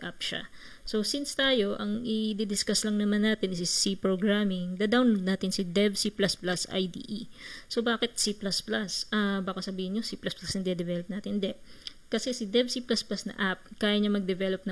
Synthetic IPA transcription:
ʔap̚ʃa̰ | so̞sinst̪aːjo̞ʔɐŋʔɪd̪ɛd̪ɪskaslɐŋnɐmanːaːt̪ɪnɪssipɹoɡɹamɪŋd̪ɐd̪awnlod̪naːt̪ɪnsɪd̪ɛvsiplasplasʔa̰jd̪ḭʔisobaːkɪt̪̚siplasplasʔabaːkɐsɐbiːhɪnɲosiplɐsplasɐnd̪iɛd̪ɛvɛlop̚naːt̪ɪnd̪ɛp̚ | kɐsɛsɪd̪ɛvsiplasplasnɐ̰ʔap̚kaːjɐɲɐmɐɡ̚d̪ɛvɛlop̚nɐ

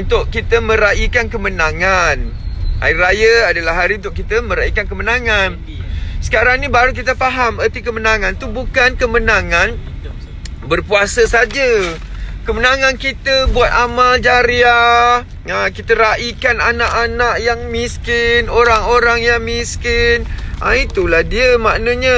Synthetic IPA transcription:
unt̪ʊʔkit̪əmə̃ɾaʔikankəmənãŋana̰irajaadalahɦaɾiunt̪ʊʔkit̪əmə̃ɾaikankəmənãŋan | sə̥kaɾaŋnĩbaɾuk̬it̪əfaɦamərt̪ikəmənãŋãnt̪ubukankəmənãŋan | bərpuasəsad͡ʒə | kəmənãŋãnkit̪əbuat̪̚amald͡ʒaɾia | əkit̪əɾaʔikananaʔanaʔjaŋmĩskɪnoɾaŋoɾaŋjaŋmiskɪnʔa̰it̪ulahdiəmaʔnəɲa

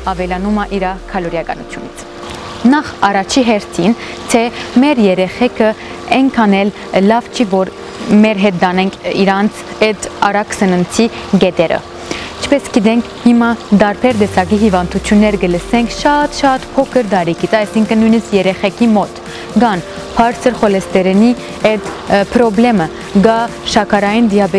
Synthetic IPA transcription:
ɑvɛlɑnumɑʔiɾɑkʰɑlɔɾjɑkɑ̰nut͡sʰjunit͡sʰ | nɑχɑrɑt͡ʃʰiɦɛɾt̪ʰin | t̪ʰɛmɛɾjɛɾɛχɛkʰə | ɛŋkʰɑnɛl | lɑvt͡ʃʰivɔɾ | mɛɾɦɛt̪̚d̪ɑnɛŋkʰḭɾɑnt͡sʰɛd̪ɑɾɑksənənt͡sʰiɡɛd̪ɛɾə̰ | it͡ʃʰpɛsɡid̪ɛŋkʰhimɑd̪ɑɾpʰɛɾd̪ɛsɑɡiɦivɑnd̪ut͡sʰjunːɛɾɡələsɛŋkʰʃɑt̪ʃɑt̪pʰɔkʰəɾd̪ɑɾikʰit͡sɑjsiŋkʰənːujnəskjɛɾɛχɛkʰimɔt̪ | ɡɑn | pʰɑɾt͡sʰəɾχɔlɛst̪ɛɾɛni | ɛd̪ | pʰɾɔblɛmə | ɡɑ | ʃɑkʰɑɾɑjind̪ijɑbɛ

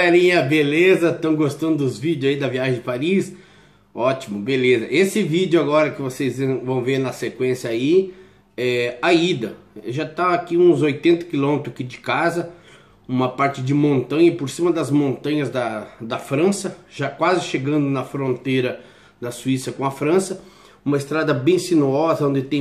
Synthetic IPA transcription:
ɛlĩɲɐbelezɐt̪ɐ̃w̃ɡost̪ɐ̃nd̪ʊd̪ʊzvid͡ʒʊzaid̪ɐviaʒẽd͡ʒɪpaɾis | ɔt͡ʃimʊbelezɐʔesɪvid͡ʒjʊaɡɔɾɐkɪvosezẽvɐ̃w̃veɾnɐsekwẽsjɐai | ɛaid̪ɐ | ɛʒat̪aakiũzojt̪ẽnt̪ɐ̥kilõmɪt̪ɾʊakid͡ʒɪkazɐ | ũmɐpaɾt͡ʃɪd͡ʒɪmõnt̪ɐ̃ɲɐpoɾsĩmɐd̪ɐzmõnt̪ɐ̃ɲɐzd̪ɐd̪ɐfɾɐ̃sɐʒakwazɪʃeɡɐ̃nd̪ʊnɐfɾõnt̪ejɾɐ | d̪ɐsuisɐkõɐfɾɐ̃sɐ | ũmɐɪst̪ɾad̪ɐbẽj̃sinuɔzɐõd͡ʒ̪ɪt̪ẽj̃

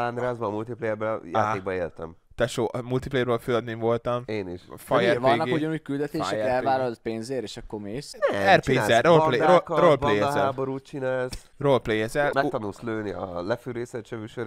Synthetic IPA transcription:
land̪ɾaːzbɔːmult̪iplɛjɛɾbɛja̰ːt̪eːɡ̚bɒeːlt̪ɛ̰mt̪ɛʃoːʔmult̪iplɛjɛɾbøːlføːɒd̪neɱvo̞lt̪ɒmeːniʃfɒjɛvɒnːɒkɡeuɟɔnuːckyld̪ɛt̪eːʃɛɛlvaːlɔlt̪̚peːnzeːɾeːʃɒkːomeːsɛrpeɛolpleɾolɾrolpejɛzɛlːboɾuːt̪t͡ʃinaːls | ro̞lplejɛzɛlmɛkt̪ɒnulsløːniɒ̰lɛfyɾeːsɛt͡ʃɛvyʃøɾ

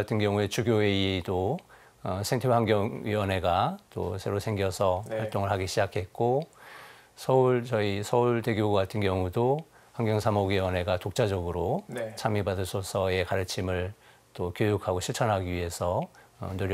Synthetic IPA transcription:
atʰɯnɡjʌŋue̞t͡ɕuɡjowe̞iedo | ʌsʰeŋtʰehaŋɡjʌŋɥiwʌne̞ɡat͈o̰sʰe̞ɾosʰe̞ŋɡjʌsʰʌhwaɭt͈oŋɯɭɦaɡiɕʰid͡ʑakʰe̞t̚k͈o | sʰʌuɭt͡ɕʌisʰʌuɭteɡjoɡatʰɯnkjʌŋudo | haŋɡjʌŋsʰamoɡɥiwʌne̞ɡatok̚t͡ɕ͈ad͡ʑʌɡɯɾot͡ɕʰamibadɯsʰosʰʌe̞kaɾɯt͡ɕʰimɯɭ | t͈okjojukʰaɡoɕʰiɭt͡ɕʰʌnɦaɡiɥiɦe̞sʰʌ̰nɯɾj

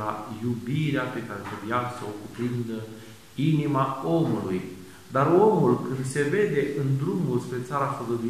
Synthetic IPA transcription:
la̰jubiɾeape̞kaɾe̞t̪əvjasəokupɾɨnd̪ə | inimao̞muluj | d̪aɾo̞mulkɨnd̪se̞ve̞d̪e̞ʔɨnd̪ɾumulspɾe̞t̪saɾafəɡəd̪ui

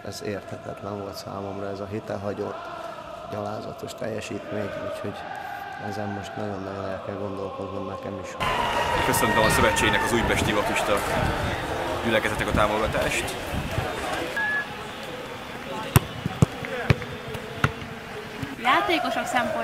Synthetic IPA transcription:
ɛzeːrt̪hɛt̪ɛt̪lɛɱvo̞lt̪sa̰ːmo̞mrɒɛzɒɦit̪ɛlɦɒɟo̞t̪ː | ɟɒlaːzɒ̰t̪o̞ʃt̪ɛ̰jːɛʃiːt̪meːɲṵːcho̞ɟ | ɛzɛmːo̞ʃt̪nɒɟo̞nːɒɟo̞nɛlkɛlɡo̞nd̪o̞lko̞d̪nonɛkɛmiʃkøsønt̪ømɒsøvɛt͡ʃːeːɡnɛkɒzuːjpɛʃt̪ivɒp̪iʃt̪ɒk | ɟylɛkɛzɛt̪ːɛkɒt̪aːmo̞ɡɒt̪aːʃt̪ | jaːt̪eːko̞ʃoksɛmpo

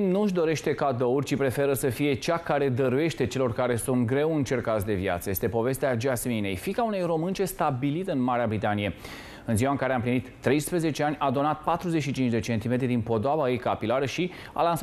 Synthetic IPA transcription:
nuʒd̪o̞ɾe̞ʃt̪e̞kad̪o̞urʲt͡ʃipɾe̞fe̞ɾəsəfije̞t͡ʃakaɾe̞d̪əɾuje̞ʃt̪e̞t͡ʃe̞lo̞rkaɾe̞sunt̪ɡɾe̞wɨnt͡ʃe̞rkat̪sd̪e̞via̰t̪səje̞st̪e̞po̞ve̞st̪ead͡ʒasmine̞̰jfikaune̞jro̞mɨnt͡ʃe̞st̪abilit̪ɨnmaɾeabɾit̪anije̞ | ɨnziwaɨŋkaɾe̞amplinit̪ːɾe̞jspɾəze̞t͡ʃe̞anʲad̪o̞nat̪̚pat̪ɾuzetʃit͡ʃint͡ʃd̪e̞t͡ʃe̞nt̪imet̪ɾid̪inpo̞d̪oavajejkapilaɾəʃi | a̰lansa

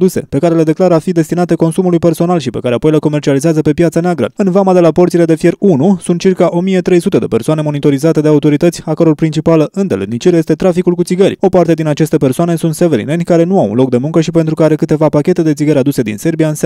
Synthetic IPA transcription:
d̪use̞̰pe̞kaɾe̞le̞d̪e̞klaɾəafid̪e̞st̪inat̪eko̞nsumulujpe̞rso̞nalʃipe̞kaɾeapo̞jleko̞mert͡ʃializeazəpe̞pjat̪saneaɡɾə̰ɨnvamad̪e̞lapo̞rt̪sile̞d̪e̞fje̞runusunt̪̚t͡ʃirkaʔo̞mije̞t̪ɾe̞jsut̪e̞d̪e̞persoane̞mo̞nit̪o̞ɾizat̪e̞d̪e̞aut̪o̞ɾit̪ət̪ʲakəɾo̞rpɾint͡ʃipaləʔɨnd̪elɨ̰d̪nit͡ʃiɾje̞st̪e̞t̪ɾafikulkut̪siɡəɾʲo̞part̪e̞d̪inat͡ʃe̞st̪e̞pe̞rsoane̞sunt̪seveɾḭne̞nʲkaɾe̞nuawṵnlo̞k̚d̪e̞muŋkəʃipe̞nt̪ɾukəaɾe̞kɨt̪e̞vapakʲe̞t̪e̞d̪e̞t̪iɡəɾʲad̪use̞d̪ḭnse̞rbiaɨns

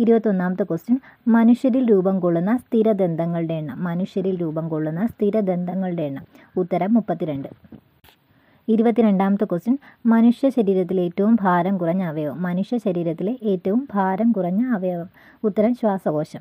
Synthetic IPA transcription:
iɾubɐt̪ːio̞nːaːmɐt̪ːɨkostɐn | mɐnuʂjɐɾilɾuːbɐmkoɭːunːɐst̪ʰiɾɐd̪e̞nd̪ʱɐŋːɐɭɨɽe̞ːɳːɨmːɐnuʂjɐɾilɾuːbɐmkoɭːunːɐst̪ʰiɾɐd̪e̞nd̪ʱɐŋːɐɭɨɽe̞ɳːɨ | ut̪ːɐɾɐmːupːɐt̪ːiɾe̞ɳɖɨ | iɾubɐt̪ːiɾe̞ɳɖaːmɐt̪ːɨkostinmɐnuʂjɐɕɐɾiːɾɐt̪ːile̞ːtːɐʋumbʱaːɾɐmkurɐɲːɐːʋɐjomːɐnuʂjɐɕɐɾiːɾɐt̪ːileʔeːtːɐʋumbʱaːɾɐmkurɐɲːɐːʋɐjɐʋɐm | ut̪ːɐɾɐmɕʋaːsɐɡo̞ːɕɐm

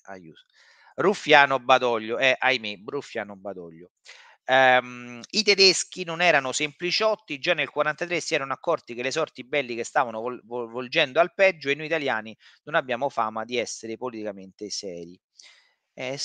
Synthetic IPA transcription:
a̰jṵː | rufjaːnobːad̪ɔʎːoɛʔajmerufːjaːnobːad̪ɔʎːo | mit̪ed̪esk̟inonɛːɾanosemplit͡ʃiɔt̪ːid͡ʒanːelkwaɾant̪at̪ɾesːiɛːɾanoakːɔrt̪ik̟elːesɔrt̪ibɛlːikest̪aːvanovold͡ʒɛnd̪oalpɛd͡ʒːoenːoit̪aljaːninonabːjaːmofaːmad̪iɛsːeɾepolit̪ikament̪esɛːɾi | ɛ

